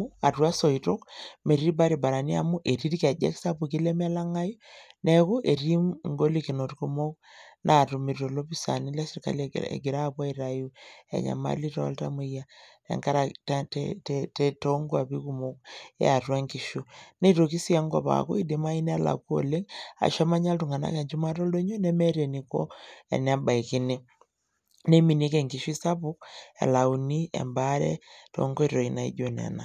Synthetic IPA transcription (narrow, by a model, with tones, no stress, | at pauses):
u˦a˨twa˦so˨i˨to˦kme˨ɾi˦ba˦ɾi˨ba˨ɾa˨ni˦a˨mu˦ʔe˨ɾi˦ɾka˨d͡ʒḛ˦ksa˦pu˨ki˦le˦m˦a˦la˦ŋa˦ju˦ne˦ku˦ʔe˨ɾi˦mŋɡo˦li˦ki˨no˨tku˦mo˦k̚ | nʔa˨tu˨mi˨ɾto˨lo˦pi˦sa̰˨ni˦la˦si˨ɾka̰˨l̰ḛ˨ɡi˨ɾa˦˨bwa˦i˨ɾa˨ju˦a̰˨ɲa̰˨ma̰˦li˦to˦a̰˦lta̰˦mu˦ja˦ | ḛ˨ŋka˦ɾa˨tttte˦to˦ŋɡo˦a˨bi˦ku˨mo˦k̚ḛ˦a˨twa˦ŋki˨ʃu˦ne˦to˨ki˦si˦a˦ŋɡɔ˨pa̰˨ko˦i˦de˨˦ma˦i˦n˦a˦la̰˨ku˦o̰˨le˦ŋa̰˨ʃa˦ma˦ɲa˦ltu˨ŋɡa˨na̰˦kɛ˨ɲd͡ʒi˦ma˦tɔ˦lo˦ɲo˦nɛ˦mɛ˦te˨ni˨kɔ˦ɛ̰˨n˦a˦ba˨i˨ki˦ni˦ | ne˦mi˨ni˦kɛ˨ŋki˨ʃu˦i˦sa˦pu˦k̚ɛ̰˨la˨u˨ni˦ɛ̰˨mba˦ɾɛ̰˦to̰˨ŋɡo˦i˦ɾo˨i˨na˨ḭ˦ɟo˨nɛ̰˨na˨